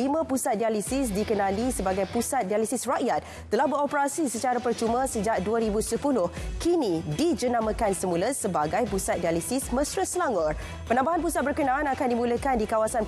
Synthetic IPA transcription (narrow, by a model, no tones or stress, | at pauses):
imə̃pusat̪̚dialisis̬dikənãlisəbaɡajpusat̪̚dialisisraʔjat̪̚ | t̪ːəlahbəɾɔpəɾasisət͡ʃaɾapərt͡ʃumə̃səd͡ʒaʔ̚duaɾibusəpulʊhkinĩdid͡ʒənãmə̃kansəmuləsəbaɡajpusat̪̚dialisɪsmə̃sɾəslaŋɔr | pənãmbaɦanpusat̪̚bərkənãanakandimũləkandikawasan